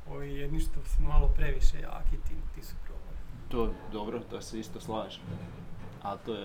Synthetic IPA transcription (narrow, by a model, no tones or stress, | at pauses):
oʋijɛd̪niʃt̪osumalopɾeʋiʃḛja̰ːkit̪it̪isu̥pɾoboɾit̪oːd̪obɾot̪oseist̪oslˠaːʒi̥ | alt̪oːje